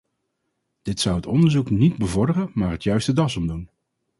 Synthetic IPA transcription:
d̥ɪtsʌwɦətɔndəɹzuknid̚bəvɔɹdərəmaːɹɦətjœɥstədɑsɔmdun

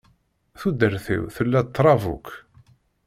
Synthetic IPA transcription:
θud̪əɾθḭwθəlːæt̪ːɾˤɑvṵkː

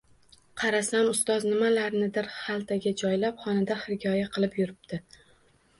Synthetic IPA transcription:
qʰɑɾasamʊst̪ɒznɪmalaɾnɪd̪ɪɾχalˠt̪ʰaɡʲad͡ʒɒjlapχɒnad̪ahɪɾɪɡʲɒjaqʰɨlˠɪpjʊɾɪb̚d̪̥ɪ

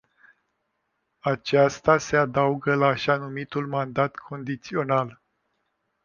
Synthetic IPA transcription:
at͡ʃast̪ase̞ad̪auɡəlaːʃanumit̪ulmand̪at̪kʰo̞nd̪it̪sio̞nal

